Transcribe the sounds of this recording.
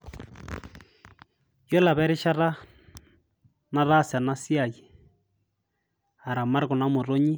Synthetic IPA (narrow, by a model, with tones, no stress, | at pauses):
jo˦la˨βɛ˦ɾɪ˦ʃa˦ɾa˦ | na˦ɾa˦˨sja˨na˦si˦a˨ji˨ | a˨ɾa˨ma˦ɾɣo˨na˦mo˨ɾo˦ɲi˦